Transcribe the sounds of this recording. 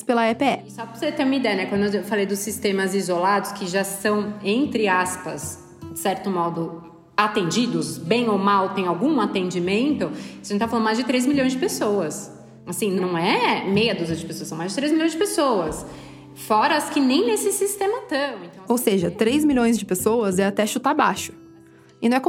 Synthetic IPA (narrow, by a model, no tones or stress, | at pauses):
spelɐɛpeɛsɔpoɾset̪ẽɾumɐid̪ɛjɐnɛkwɐ̃d̪ʊeewfalejd̪ʊsist̪ẽmɐzizolad̪ʊskʰɪʒasɐ̃w̃ẽnt̪ɾɪaspɐ̰z | d͡ʒɪsɛɾt̪ʊmɔd̪ʊ | at̪ẽnd͡ʒid̪ʊzbẽj̃owmawt̪ẽj̃awɡũat̪ẽnd͡ʒimẽnt̪ʊɐʒẽt͡ʃt̪aflɐ̃d̪ʊmajzd͡ʒɪt̪̬ɾejzmiʎõj̃zd͡ʒɪpesowɐs | asĩnɐ̃w̃ɛmejɐd̪uzɐd͡ʒɪpesoɐsɐ̃w̃majzd͡ʒɪt̪ɾejzmilʎõj̃zd͡ʒɪpesowɐs | fɔɾɐskɪnẽj̃nesɪsist̪ẽmɐt̪ɐ̃w̃ẽnt̪ɐ̃w̃owseʒɐt̪ɾejzmilʎõj̃zd͡ʒɪpesoɐzɛat̪ɛʃʊt̪abaʃʊ̥ | ɪnɐ̃ɛko